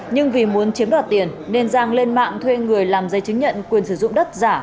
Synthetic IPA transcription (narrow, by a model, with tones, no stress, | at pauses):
ɲɨ˧ŋvi˨˩mu˨˦ənt͡ɕi˨˦əmɗa̰ː˧˨˩t̪i˨˩ənne˧nzaː˧ŋle˧nma̰ː˧˨ŋt̪ʰwe˧ŋɨ˨˩əjlaː˨˩mzə˨˦jt͡ɕɨ˨˦ŋɲə̰˧˨nkwi˨˩ənsɨ˧˩zʊ̰˧˨ŋ͡mɗə˦˥t̚zaː˧˩